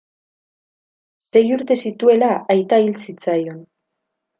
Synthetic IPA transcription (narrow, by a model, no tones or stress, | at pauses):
se̞juɾt̪e̞sit̪ue̞laajt̪ailsit͡sajo̞n